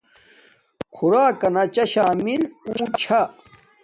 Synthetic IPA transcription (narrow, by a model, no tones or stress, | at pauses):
kʰuɾaːkɐnɐt͡ɕɐɕaːmiluːt͡ɕʰa